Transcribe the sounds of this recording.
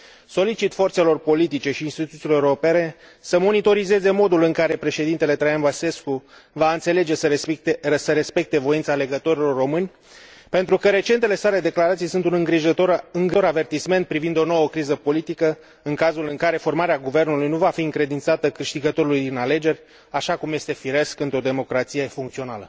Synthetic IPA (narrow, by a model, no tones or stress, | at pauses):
so̞lit͡ʃit̪fo̞rt̪se̞lo̞rpo̞lit̪it͡ʃe̞ʃiːnst̪it̪ut̪sileeopene̞ | səmo̞nit̪o̞ɾize̞ze̞mo̞d̪ulɨŋkaɾe̞pɾe̞ʃe̞d̪int̪e̞le̞t̪ɾajanvase̞skuvaɨnt̪se̞le̞d͡ʒe̞sə | səɾe̞spe̞k̚t̪e̞vo̞int̪saːle̞ɡət̪o̞ɾilo̞rːo̞mɨnʲ | pe̞nt̪ɾukəɾe̞t͡ʃe̞nt̪e̞le̞sale̞d̪e̞klaɾat̪sijsunt̪unɨŋɡɾiʒoɨŋɡoɾave̞rt̪isme̞nt̪̚pɾivind̪o̞nowəkɾizəpo̞lit̪ikə | ɨŋkazulɨŋkaɾe̞fo̞rmaɾeaɡuve̞rnulujnuvafiɨŋkɾe̞d̪int̪sat̪əkɨʃt̪iɡət̪o̞ɾulujd̪inale̞d͡ʒe̞rʲ | aʃakumje̞st̪e̞fiɾe̞skɨnt̪ɾo̞d̪e̞mo̞kɾat̪sijefuŋkt̪sio̞nalə